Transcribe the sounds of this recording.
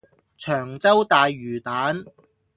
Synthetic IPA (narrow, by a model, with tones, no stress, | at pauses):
t͡ʃʰœː˨˩ŋt͡sɐ˥wt̪aː˨jːyː˨˩t̪aː˨˥n